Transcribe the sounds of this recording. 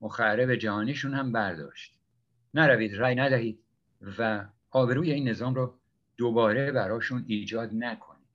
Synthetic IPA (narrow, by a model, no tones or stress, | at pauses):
moxæɾebed͡ʒæhɒːniʃunhæmbæɾd̪ɒ̰ːʃt̪ | næɾæviːd̪ɾæːjnæd̪æɦiːd̪̥̚ | væ | ɒːbe̞ɾuːje̞iːnːe̞zɒːmɾɒː | d̪̥obɒːɾebæɾɒːʃuniːd͡ʒɒːd̪nækʰo̞̰niːd̪̥